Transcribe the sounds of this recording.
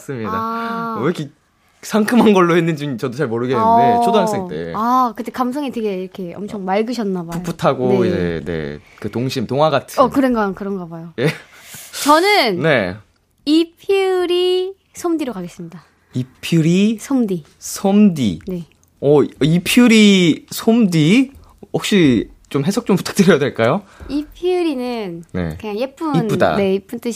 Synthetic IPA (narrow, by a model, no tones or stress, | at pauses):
s͈ɯmɲidaɾʌkʰi | sʰaŋkʰɯmɦanɡʌɭːohenːɯnd͡ʑiɲit͡ɕʌdot͡ɕaɭmoɾɯɡenɯndet͡ɕʰodoaŋs͈eŋt͈ḛakɯtekams̬ʰʌŋite̞ɡe̞iɾʌkʰe̞ʌ̰mt͡ɕʰʌŋmaɭɡɯɕʰʌnːabapʰup͈ʰutʰaɡoid͡ʑḛne̞̰ | kɯtoŋɕʰimtoŋɦwaɡatʰɯʌkɯɾenɡʌkɯɾʌnɡʌbajojet͡ɕʌnɯnne̞ | ipʰiɾi | sʰomdiɾokaɡe̞s͈ɯmɲida | ipʰuɾisʰomdi | sʰomdḭne̞ | ʌipʰiuɾisʰomdi | hʌk̚ɕ͈i | t͡ɕomɦe̞sʰʌk̚t͡ɕ͈ompu̥tʰḁk̚t͈ɯɾjʌjadweɭk͈ajoipʰiɾinɯnne̞̰kɯɲaŋjep͈uin͈uda̰ne̞ip͈unt͈ɯɕ